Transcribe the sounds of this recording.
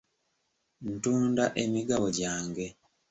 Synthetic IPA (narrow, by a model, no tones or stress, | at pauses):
n̩tuːndaʔemiɡaβoɟaːŋɡe̞